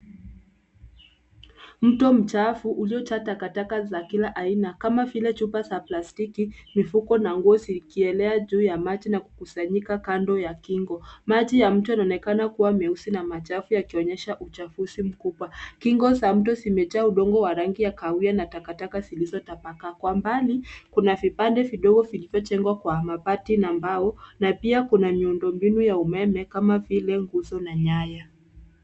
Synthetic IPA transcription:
m̩tɔm̩t͡ʃafuʔuliɔt͡ʃatakatakazakilaʔainakamavilɛt͡ʃupasaplastikimifukɔnaŋɡuɔsikiɛlɛaʄuːjamat͡ʃinaku̥kusaɲikakandɔjakiŋɡɔmat͡ʃijam̩tujanaɔnɛkanakuwamɛusinamat͡ʃafujakiɔɲɛʃaʔut͡ʃafusim̩kuɓwakiŋɡɔsam̩t̬ɔsimɛt͡ʃauɗɔŋɡɔwaɾaŋɡijakaujanatakatakazilizɔtapakakwambanikunavipandɛviɗɔɡɔvilivjɔt͡ʃɛŋɡwakwamapatinambaɔnapiakunamiundɔmbinujaumɛmɛkamavilɛŋɡuzɔnaɲaja

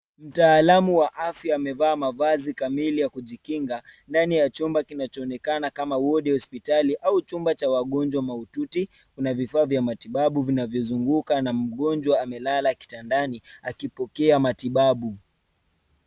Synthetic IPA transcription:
m̩taːlamuwaʔafjaːmɛvaːmavazikamilijakuʄikiŋɡandanijat͡ʃumbakinat͡ʃɔːnɛkanakamawɔɗɛhɔspitaliʔaut͡ʃumbat͡ʃawaɠɔnd͡ʒwamaututi | kunavifaːvjamatiɓaɓuvinavjɔzuŋɡukanam̩ɠɔnd͡ʒwaːmɛlalaki̥tandaniakipɔkɛamatiɓaɓu

